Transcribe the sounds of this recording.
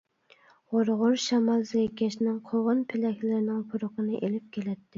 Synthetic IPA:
ʁoɾʁʊɾʃɑmɑlˠzekʲɛʃnɪŋqʰoʁʊnpʰɪlɛkʲʰlɪɾɪnɪŋpʰuɾʊqʰənɨʔelɪp̚kʲʰelɛt̪ʰːɪ

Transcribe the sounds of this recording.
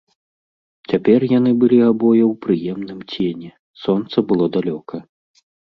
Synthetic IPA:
t͡sʲapʲɛrjan̪ɨbɨlʲiabɔjɐwpɾɨjɛmnɨmt͡sʲenʲɛ | sɔnt̪sɐbɨlˠɔd̪alʲɔkɐ

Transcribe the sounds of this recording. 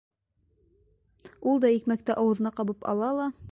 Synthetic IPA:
ulˠd̪ɑikmæk̚t̪æʔɑwɤ̆ðɤ̆nɑqɑβɤpɑ̰lˠɑlˠɑ

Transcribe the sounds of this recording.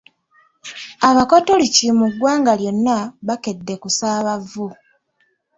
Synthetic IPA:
aβakotolicimuɡwaːŋɡaljo̞nːaβake̞dːe̞kusaːβavːu

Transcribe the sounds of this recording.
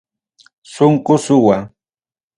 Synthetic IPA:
sʊŋkʊsʊwa

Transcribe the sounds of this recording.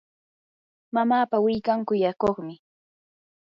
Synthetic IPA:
mamaːpawɪjkaŋkʊjakoχmɪ

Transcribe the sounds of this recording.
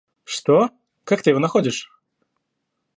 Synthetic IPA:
ʂt̪o | kak̚t̪ɨjɪvonɐxodʲɪʂ

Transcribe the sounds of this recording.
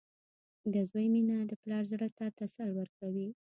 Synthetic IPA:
d̪əzwəjminad̪əplɑɾzɽət̪at̪asaɾwəɾkawi

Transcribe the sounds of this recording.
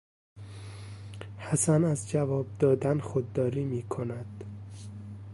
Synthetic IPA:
hæsænæzd͡ʒævɒːb̚d̪ɒːd̪ænxod̪ːɒːɾiːmiːkʰonæd̪̥

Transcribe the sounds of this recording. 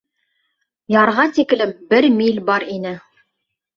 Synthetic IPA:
jɑɾʁɑt̪ikɘ̆lɘp̚bɘɾmilʲbɑɾinɘ

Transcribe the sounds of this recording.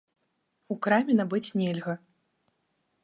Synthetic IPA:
ukɾamʲɛnabɨt͡sʲnʲɛlʲɣɐ

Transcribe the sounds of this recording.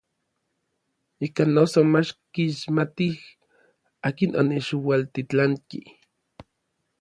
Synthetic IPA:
ikanːosomat͡ʃkiʃmat̪ih | aːkinʔoneʃiwalt̪it͡ɬaŋki

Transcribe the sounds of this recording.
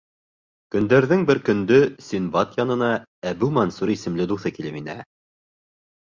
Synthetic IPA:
kɵ̆nd̪æɾðɘŋbɘɾkɵ̆nd̪ɵsʲinbɑt̪jɑnɤ̆nɑæbʉmɑnsuɾisɘ̆mlɘd̪uθɤkilɘpinæ

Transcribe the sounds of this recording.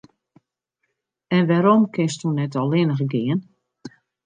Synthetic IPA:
ɛnʋaɾomkɪstunɛtɔlˠɪnəɣəɡɪən

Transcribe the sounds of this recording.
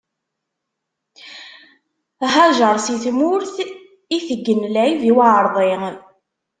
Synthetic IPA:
ɦɑʒəɾˤsiθmʊɾθ | iθəɡːənlæjðiwaʕəɾˤðˤe

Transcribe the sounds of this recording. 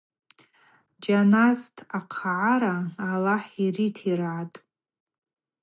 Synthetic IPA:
d͡ʒanaztʰaqʰaʕaɾaːlaħiritʰirʕatʼ

